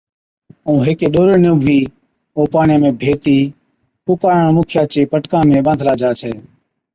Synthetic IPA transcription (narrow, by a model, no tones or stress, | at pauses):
ũːɦeːkeːɗoːɾenũːɡʋiː | oːpaːɳjãːmẽːbʱeːt̪iː | ʈʊkaːɳəɳmuːkʰɪjaːt͡ʃeːpəʈkãːmẽːɓə̃nd̪ʱlaːd͡ʒaːt͡ʃʰɛː